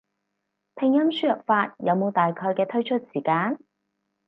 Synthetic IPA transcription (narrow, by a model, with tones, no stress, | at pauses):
pʰɪ˨˩ŋjɐ˥msyː˥jɐ˨p̚faː˧t̚jɐ˨˧wmo˨˧wt̪aː˨jkʰɔː˧jkɛː˧t̪ʰɵ˥ɥt͡ʃʰɵ˥t̚siː˨˩kaː˨˥n